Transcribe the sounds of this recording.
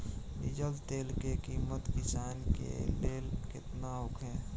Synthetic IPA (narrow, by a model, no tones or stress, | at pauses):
bid͡ʒəlt̪eːlkekiːmət̪kɪsaːnkḛleːlkɪt̪naʊkʰɛ̃ː